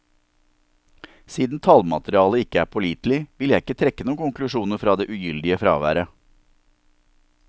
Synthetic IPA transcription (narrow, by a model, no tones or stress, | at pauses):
siːd̪n̩t̪ʰɑlmɑ̰t̪ɾɪɑːləɪkəæːpʰɔliːt̪lɪʋɪljæɪɪkət̪ʰɾɛkːənuːkʊŋklʉʃuːnəɾfɾɑːd̪eːʔʉjʏld̪ɪəfɾɑ̰ːʋæ̰ːɾə